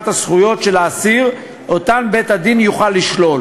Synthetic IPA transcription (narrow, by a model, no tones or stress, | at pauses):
t̪hasχujo̞tʃe̞laːsiʁ | ʔo̞t̪anbet̪had̪injuχalːiʃlo̞l